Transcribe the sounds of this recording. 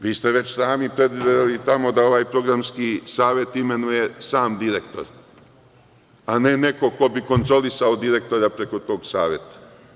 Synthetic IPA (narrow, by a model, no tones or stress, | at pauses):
ʋiːst̪e̞ʋe̞t͡ɕsaːmipɾed̪ʋid̪ed̪elit̪amo̞d̪ao̞ʋaːjpɾo̞ɡɾamskiːsaːʋje̞t̪ime̞nuje̞saːmd̪iɾekt̪o̞̰ɾ | ane̞ne̞ko̞ko̞biko̞nt̪ɾo̞lisaod̪iɾe̞k̚t̪o̞ɾapɾe̞ko̞t̪o̞ːɡsa̰ːʋje̞t̪ḁ